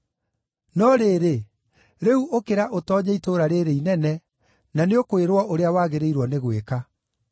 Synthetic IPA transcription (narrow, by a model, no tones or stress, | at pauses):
nɔɾeɾe | ɾeuʔokeɾaʔotɔːɲaitoɾaɾeɾeinɛnɛ | naneokoeɾwɔʔoɾeawaːɣeɾeiɾwɔneɣweka